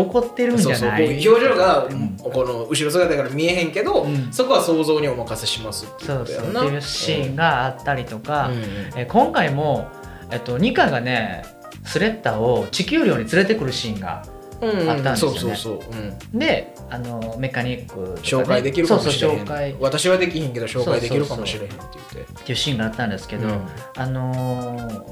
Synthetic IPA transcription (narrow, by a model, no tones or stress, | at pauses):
oko̞t̪ːe̞ɾɯ̟̃ɲd͡ʑaoakʲoːʑoːɡakonoɯ̟ɕiɾo̞s̬ɨɡat̪aakaɾamʲieɦẽŋke̞d̪o̞ɯ̟̃ɴso̞ko̞βaso̞ːzo̞ːɲ̟iomakaseɕimasɨ̥t̪ːsoːsonaejɯːɕĩŋɡaːt̪ːaɾʲit̪o̞kae̞kõ̞ŋkaimo̞ | e̞t̪ːo̞ɲ̟ikãɡane̞ | sɨɾe̞t̪ːaːo̞t͡ɕikʲɨːɾʲjo̞ːɲ̟it͡sɨɾe̞t̪e̞kɯ̟ɾɯ̟ɕĩŋɡã̰ | at̪ːãnsosj̰onːesoːɯ̃d̪e̞ | ano̞me̞kaɲ̟ikːɯ̟t̪o̞oːakaaid̪ekʲiɾɯsoːsoːɕo̞ːkaiβat̪aɕiβad̪e̞kʲihẽŋke̞d̪oɕo̞ːsoaid̪eoiɾɯ̟kaomoɕiɾeɦẽt̪ejɯ̟t̪ːe̞t̪ːe̞iɯ̟ɕĩːŋɡaːt̪ːãnd̪e̞sɨ̥ke̞d̪o̞ | ano̞